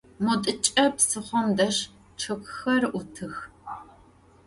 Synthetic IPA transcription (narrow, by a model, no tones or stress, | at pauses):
mutʼɨt͡ʃʼɐpsɨχʷɔmdɐʂ | ʈ͡ʂʰɨkʷʰʼxɐrʔʊtʰɨx